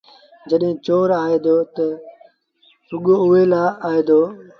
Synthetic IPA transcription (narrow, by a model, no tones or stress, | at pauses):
d͡ʒəɗɦɪ̃ːt͡ʃoːɾaːeːd̪oːt̪ə | sʊɠoːʊeːlaːaːɦeːd̪oː